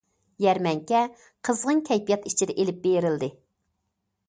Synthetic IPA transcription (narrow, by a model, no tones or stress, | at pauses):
jæɾmɛŋkʲɛ | qʰəzʁəŋkʲʰɛjpijɑt̪it͡ʃʰɪd̪ɛʔelɪp̚bejɾɪld̪ɪ